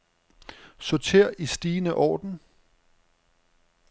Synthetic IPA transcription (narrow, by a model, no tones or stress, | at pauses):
sot͡sʰe̝ɐ̰ʔisd̥iːnəʔɒ̰ːd̥n̩